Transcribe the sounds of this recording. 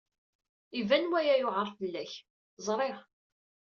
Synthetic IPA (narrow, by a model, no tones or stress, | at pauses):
ivænwæjæjʊʕəɾˤθəlːæç | zˤɾˤeʁ